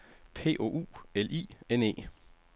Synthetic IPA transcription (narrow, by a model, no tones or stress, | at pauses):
pʰe̝̰ːʔo̝̰ːʔṵːelḭːene̝̰ː